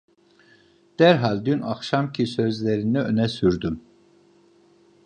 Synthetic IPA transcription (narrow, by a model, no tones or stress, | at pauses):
d̪̥æɾɦalʲd̪ynaxʃamcʰisø̞zlʲeɾiniønɛsyɾd̪ym